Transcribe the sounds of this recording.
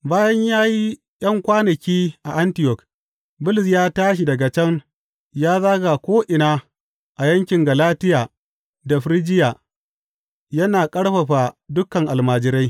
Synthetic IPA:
baː˦jɐ˦ɲjaː˦ji˦ | j̰ɐ˦ŋkʷaː˦nɐ˨kʲiː˦ʔa˨ʔa˦ntɪ˨jɔ˨k | bʊ˦lɪ˨s̬jaː˦taː˦ʃ̬i˨dɐ˨ɡa˨t͡ʃɛ˦ŋ | jaː˦zaː˦ɡa˨kʷoː˦ʔɪ˨naː˦ | ʔa˨jɐ˦ŋkʲɪ˨ŋɡɐ˨laː˦tɪ˦jaː˨ | da˨ɸɾɪ˦d͡ʒɪ˦jaː˨ | jɐ˦naː˨kʼɐ˦ɽɸɐ˨ɸa˨dʊ˦kɐ˨ŋʔa˨lmaː˨d͡ʒɪ˦ɾa˦j

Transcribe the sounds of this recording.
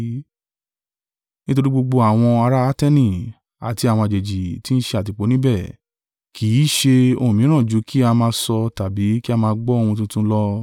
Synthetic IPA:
nĩ˦to˧ɾi˦ɡ͡bo˧ɡ͡bo˧a˨w̃ɔ̃˧a˧ɾaː˦tɛ˦nĩ˦˨ | a̰˨ti˧a˨w̃ɔ̃˧a˧˨d͡ʒe˨d͡ʒi˨ti˦n̩˦ʃe˧a˨t̬i˧k͡po˨˦nĩ˦bɛ˦˨ | kʰi˨˦˨ʃe˧õ̰˧˨ĩ˨˦ɾ̃ã˦˨d͡ʒu˨˦ki˦a˧mãː˧sɔ˧ta˨bi˨˦ki˦a˧mãː˧ɡ͡bɔ˦o˦˧hũ˧t̬ũ˦tũ˦lɔ˦

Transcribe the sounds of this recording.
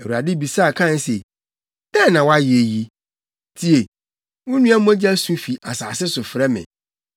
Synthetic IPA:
ɛ˨u˨a˨dɪ˦bi˨saː˦˨kʰã˦˨n˦se˨ | dɛ˦nã˨wa˦je˨ji˦ | tʰi˦e˨ | wʊ̃˦nũ˦a˦m˦ɔ̃˦d͡ʑi˦æ˦sũ˦fi˨ʔa˨saː˨sɪ˦sʊ˨fɾɛ˦mɪ̰̃˨

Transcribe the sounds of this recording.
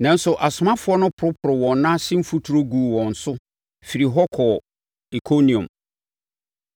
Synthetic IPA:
nã˨˦n̩˦sʊ˨ʔa˨sʊ˨mã˦fʊ˨˦ɔ˦nʊ̃˦pʰʊ˨ɾʊ˦pʰʊ˨ɾɪ˨wɔ̃˨nnã˦sɪ̃˦m˦fu˦tʰu˨ɾo˦ɡuː˨wɔ̃˨n̩˨sʊ˦ | fi˨ɾi˨ɦɔ˦kʰɔ˨ | i˨kʰo˦nĩ˨õ̰˨m

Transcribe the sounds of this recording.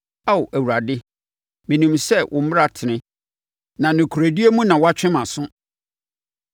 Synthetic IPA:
a˦wʊ˨ʔæ˨wu˨ɾa˨dɪ˦ | mĩ˨nĩ˨msɛ˦˨ʔʊ̰̃˨m̩˦m˦ɾa˦˨tʰɪ˨nɪ̃˦ | nã˨nʊ̃˨kʰu˨ɾæ˨di˦e˦mũ˦nã˨wa˦t͡ɕᶣɪ̃˦mã˨sʊ̃˦

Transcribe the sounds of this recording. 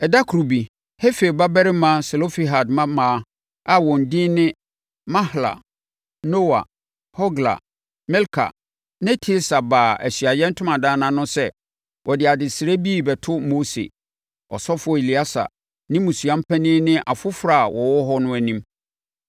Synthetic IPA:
ɛ˨da˦kʰu˨ɾu˨bi˨ | he˦fe˨ba˦bɛ˦ɾɪ˦mã˦se˨lo˦fi˨ɦa˨dmã˦mã˨˦ | a˦wɔ̃˨n˨dɪ̃˦nɪ̃˦ | mã˦hla̰˨ | no˦wa̰˨ | hɔ˦ɡla̰˨ | mɛ˦lkʰa̰˨ | nɪ̃˦tʰi˦lsa˨baː˨æ̰˨ɕɥa˨jɛ̃˦n̩˦tʰʊ̃˦mã˨dãː˦nã˨nʊ̃˦sɛ˦ | wʔɔ˨dɪ˨a˨dɪ˨sɪ˨ɾe˦bi˦˨bɛ˨tʰʊ˦mo˦sḛ˨ | ɔ̰˨sɔ˦fʊ˦ɔ˨e˨li˨a˦sa̰˨ | nɪ̃˦mũ˨su˨ã˦m̩˦pʰɛ˦nɪ̃˦nɪ̃˦ʔa˨fʊ˦fɾa˦˨wʔɔ˨wɔ˦ɦɔ˦nʊ̃˦æ˨nĩ˦m

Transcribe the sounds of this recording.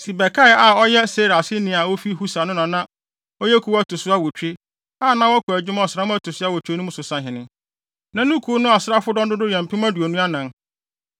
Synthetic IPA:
si˨bɛ˨kʰa˦ɪ˨a˨ɔ˦jɛ˦se˦ɾa˨sɪ˦nɪ̃˨˦a˨wo˦fi˦ɦu˦sa˨nʊ̃˦nã˨nã˦ | ɔ˦jɛ˦kʰu˨˦wa˦tʊ˨sʊ˦a˦wo˨t͡ɕᶣe˦ | aː˦˨nã˦wɔ˦kʰʊ˨æ˨d͡ʑᶣʊ˦m˦ɔ˨sɾa˦mʊ̃˦æ˦tʰʊ˨sʊ˦a˦˨wo˨t͡ɕᶣe˦nʊ̃˦mʊ̃˦sʊ˨sã˨˦ɦɪ̃˨nɪ̃˦ | nã˨nʊ̃˦kʰu˨˦nʊ̃˦a˨sɪ˦a˦fʊ˦dɔ̃˦ndʊ˦dʊ˦jɛ̃˨m̩˨pʰɪ̃˦mã˦du˨ɔ˨nũ˦a˦nã˨n

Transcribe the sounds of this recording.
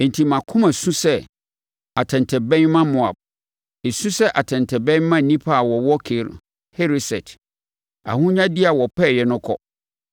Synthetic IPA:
e˨n̩˨tʰi˨mã˨kʰʊ̃˦mã˨sũ˦sɛ˦ | a˨tʰɛ̃˨ntʰɛ˨bɛ̃˦nmã˦mʊ̃˨a̰˨b̚ | e˨sũ˦sɛ˦ʔa˨tʰɛ̃˨ntʰɛ˨bɛ̃˦nmã˦˨nĩ˦pʰa˦a˨wɔ˨wɔ˦kʰe˨˦ɾ | he˦ɾi˦sɛ˨tʰ | a̰˨hũ˦ɲã˦dɪ˦a˨wɔ˨pʰɛ˦˨jɛ˨nʊ̃˦kʰɔ̰˦

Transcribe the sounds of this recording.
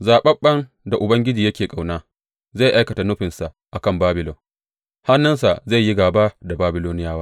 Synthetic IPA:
zaː˨ɓɐ˦ɓɐ˦n | da˨ʔʊ˨bɐ˦ŋɡʲɪ˦d͡ʒiː˨jɐ˦kʲeː˨kʼa˨wnaː˦ | za˦˨jʔa˦jkɐ˨ta˨nʊ˦ɸɪ˨nsa˨ | ʔa˨kɐ˦˨mbaː˦bɪ˨lɔ˨ŋ | ha˦nːɐ˦nsa˨za˦˨ji˦ɡaː˨baː˦da˨baː˦bɪ˦loː˦nɪ˦jaː˦waː˦

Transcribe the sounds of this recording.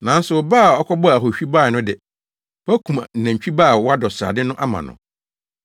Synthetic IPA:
nã˨˦n̩˦sʊ˨baː˦˨ɔ˦kʰɔ˦bɔ˦˨æ˨ɦo˨ɕᶣi˦ba˦˨ɪ˨nʊ̃˦dɪ˨ | pæ˦kʰũ˨m̩˨næ̃˨ɲ˨t͡ɕᶣi˦baː˦˨wɔ˦a˦dɔ˨sa̰ː˨dɪ˦nʊ̃˦ʔa˦mã̰˨nʊ̰̃˨

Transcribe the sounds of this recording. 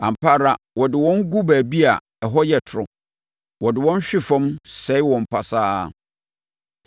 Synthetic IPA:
ã˨m˨pʰaː˦ɾa˨ | wɔ˨dɪ˨wɔ̃˦ŋ˦ɡu˦bæː˨bi˦a˨ | ɛ˨ɦɔ˦jɛ˦˨tʰʊ˨ɾʊ˨ | wɔ˨dɪ˨wɔ̃˦n˦ɕᶣɪ˦fɔ̃˦msɛ˦ɪ˦wɔ̃˨m̩˨pʰa˨saː˦˨

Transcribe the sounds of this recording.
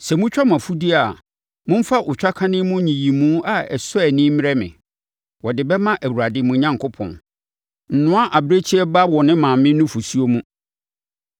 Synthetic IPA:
sɛ˨mʊ̃˦t͡ɕᶣa˦mã˨fu˦di˦a˨ | mʊ̃˦m̩˦fa˦ʔʊ˨t͡ɕᶣa˦kʰã˦nɪ̃˦mʊ̃˦ɲĩ˨ji˨mũː˦a˨ɛ̰˨sʊ˦ɛ˨nɪ̃˦m˦ɾɛ˦mɪ̰̃˨ | wɔ˨dɪ˨bɛ˦mã˦ʔæ˨wu˨ɾa˨dɪ˨˦mʊ̃˨˦ɲã˦ŋkʰʊ˦pʰɔ̰̃˨n | n̩˨nʊ̃˦a˦ʔa˨bɾe˦t͡ɕʰi˦ɛ˦ba˦wɔ˨nɪ̃˦mãː˨mɪ̃˦nʊ̃˦fu˨su˦o˦mũ˦

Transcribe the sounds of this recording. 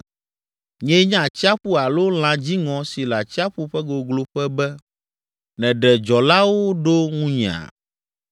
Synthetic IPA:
ɲɛ̃˦ɲã˦˨t͡ɕi˦a˦ɸu˦a˨lo˦l̃ã˨d͡ʑi˦ŋɔ̃˨si˨la˨t͡ɕi˦a˦ɸu˦ɸɛ˦ɡo˨ɡlo˦ɸɛ˦bɛ˦ | nɛ̃˨ɖɛ˨d͡ʒɔ˨la˦wo˦ɖo˦ŋũ˦ɲɛ̃˨a̰˨

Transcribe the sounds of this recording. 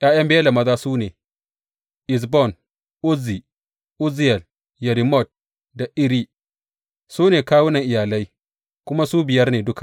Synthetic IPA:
j̰aː˦jɐ˦mbeː˦la˨mɐ˦zaː˦suː˦neː˨ | ʔɪ˨s̬bɔ˦˨n | ʔʊ˦zi˨ | ʔʊ˦zi˦jɛ˨l | jɛ˨ɾi˨mɔ˦˨t̚ | da˨ʔɪ˦ɾi˦ | suː˦neː˨kaː˦wʊ˦nɐ˨ŋʔɪ˨jaː˨la˦j | kʷʊ˦ma˦suː˦bɪ˨jɐ˦rneː˨dʊ˦ka˨ʔ

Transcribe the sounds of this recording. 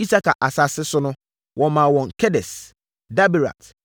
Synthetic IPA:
i˦sa˦ka̰˨ʔa˨sa˨sɪ˦sʊ˦nʊ̃˦ | wʔɔ̃˨mã˨wɔ̃˨ŋkʰɛ˦dɛ˨s | da˦bi˨ɾa̰˨t

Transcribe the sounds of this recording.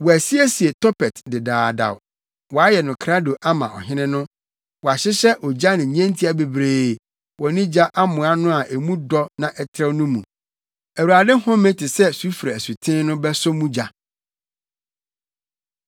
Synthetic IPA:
wɔ˨æ˨si˦æ˦si˨e˨tʰɔ˦pʰɛ˨tdɪ˨daː˨da̰˨w | wɔ˨a˦jɛ˨nʊ̃˨kʰɾa˦do˨ʔa˦mã̰˨ʔɔ̰˨ɦɪ̃˦nɪ̃˦nʊ̃˦ | wɔ˨a˨ɕɪ˦ɕɛ˦ʔɔ˨d͡ʑa˦nɪ̃˨ɲɛ̃˦n˦tʰi˦a˨be˨bɾeː˨ | wɔ˨˦nĩ˦d͡ʑa˦ʔa˦mʊ̃˨a˦nʊ̃˦a˨ʔe˨mũ˦dɔ˦nã˨ʔɛ˦tʰɾɛ˦nʊ̃˦mũ˨ | æ˨wu˨a˨dɪ̃˦hɔ̃˦mẽ˦tʰɪ˨sɛ˦su˦fɾa˨su˨tʰɪ̃˦nʊ̃˦bɛ˦sʊ˦mũ˦d͡ʑa˨

